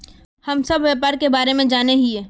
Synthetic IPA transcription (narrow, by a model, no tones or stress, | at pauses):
hɐmsɐbʱʋjaːpaːɾkebaːɾemẽd͡ʒaːneɦiɦɛː